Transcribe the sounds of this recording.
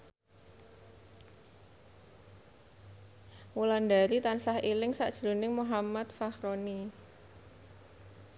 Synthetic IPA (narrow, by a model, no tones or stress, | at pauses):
mulandaɾit̪ansahʔilɪŋsa̰ʔd̥ʒ̥ɾṳnɪŋmuɦamat̪̚fahɾoni